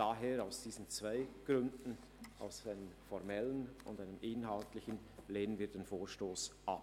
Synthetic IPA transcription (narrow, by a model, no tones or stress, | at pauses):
daɦeːɾaʊsd̥iːzn̩t͡sv̥aɪɡ̥ʁʏndn̩ | ʔa̰ʊsaɪnəmfɔɾmɛlənʊ̰ndaɪnəmʔɪnɦaltlɪçən | leːnənviːɐdeːnfoːʃtoːsʔap